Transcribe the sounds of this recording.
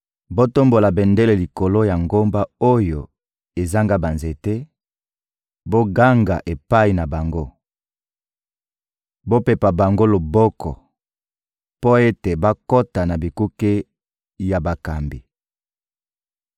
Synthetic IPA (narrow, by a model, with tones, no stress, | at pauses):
bo˦to˦mbo˨la˨bɛ˨nde˦le˨li˨ko˨lo˦ja˨ŋɡo˦mba˦o˦jo˨ | e˨za˦ŋɡa˦ba˨nze˨te˦ | bo˦ɡa˦ŋɡa̰˨ʔe˨pa˦i˨na˨ba˨ŋɡo˦ | bo˦pe˨pa˨ba˨ŋɡo˦lo˨bɔ˦kɔ̰˨ | po˦e˦te˨ba˦ko˦ta˨na˨bi˨ku˦ke˦ | ja˨ba˨ka˨mbi˨